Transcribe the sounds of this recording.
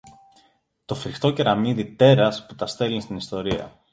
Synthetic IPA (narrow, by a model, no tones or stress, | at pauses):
t̪o̞fɾixt̪o̞ce̞ɾɐmiðit̪e̞ɾɐsput̪ɐst̪e̞linst̪inist̪o̞ɾiɐ̰